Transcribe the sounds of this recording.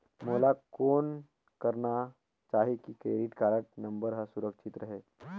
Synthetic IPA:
molakoːn | kəɾna | t͡ʃaːɦekikɾeːɖiʈkaɾəʈ̚nə̃mbəɾɦəsuɾəkʃʰit̪ɾəɦe

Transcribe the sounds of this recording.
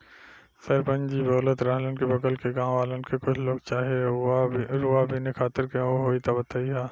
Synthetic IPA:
sɐɾpə̃nd͡ʒibɐɣlət̪ɾaɦlənkibɐkəlkeɡãːaːlənkekʊt͡ʃʰloːɡ̚t͡ʃaːɦie | ɾuabʱinekʰaːt̪ɪɾkẽoɦoːit̪abɐt̪aːiɦaː

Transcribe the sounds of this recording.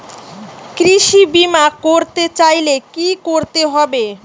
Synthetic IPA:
kɾiʃibimakoɾt̪et͡ɕajlekikoɾt̪eɦɔbe

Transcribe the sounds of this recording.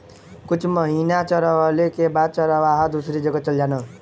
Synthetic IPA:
kut͡sʰmʌɦinat͡sʌɾʌwʌlekebat͡sʌɾʌwaɦʌd̪usɾid͡zʌɡʌt͡sʌljanʌ

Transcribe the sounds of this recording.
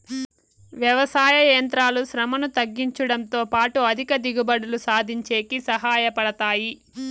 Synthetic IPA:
ʋjɐʋɐsaːjɐjɐnt̪ɾaːluʃɾɐmɐnut̪ɐɡːiɲt͡ʃɐɽɐnt̪o̞ːpaːʈuɐd̪ʱikɐd̪iɡubɐɽulusaːd̪ʱiɲt͡ʃeːkisɐɦaːjɐpɐɽɐt̪aːji

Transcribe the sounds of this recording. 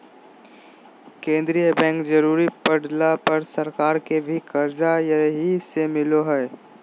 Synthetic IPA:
kẽːnd̪ɾijəbɛ̃ːŋkd͡ʒɐɾuːɾipɐɽlapɐɾsɐɾkaːɾkebʱikɐɾd͡ʒajɐɦisemɪloɦɛː

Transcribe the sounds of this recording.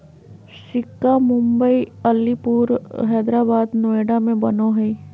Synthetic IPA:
ʃɪkːamʊ̃mbəiɐlːipuːɾɦɛːd̪ɾaːbaːd̪noːeːɖamẽbɐnoɦɛi

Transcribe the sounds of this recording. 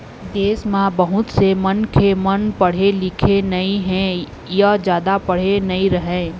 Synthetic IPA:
d̪eːsmãbɐɦʊt̪semɐnkʰemɐnpɐɽ̤elɪkʰenɐiɦɛ̃ | jad͡ʒjaːd̪apɐɽ̤enɐiɾɐɦẽː

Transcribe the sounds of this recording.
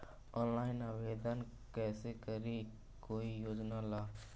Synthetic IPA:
ɔːnlaːɪnaʋeːd̪ən | kɛːsekəɾi | koːijoːd͡ʒnalaː

